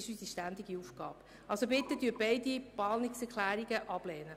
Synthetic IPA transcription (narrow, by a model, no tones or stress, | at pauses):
ɪʃysiʃtænd̪iɡiufɡ̥ɑːp | ɑlsobɪt̪ːəd̥yːbɛɪd̪ipɑːlnɪksɛkʰlæːɾiɡəʔɑb̥lɛːnə